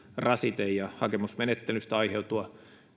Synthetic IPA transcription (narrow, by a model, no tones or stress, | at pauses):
rɑsit̪eijɑhɑkemusmenet̪ːelyst̪æɑiheut̪uɑ